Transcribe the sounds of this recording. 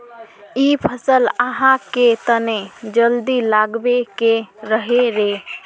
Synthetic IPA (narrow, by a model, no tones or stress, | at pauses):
ipʰəsələɦãket̪əned͡ʒəld̪ilaɡbekeɾəɦeɾe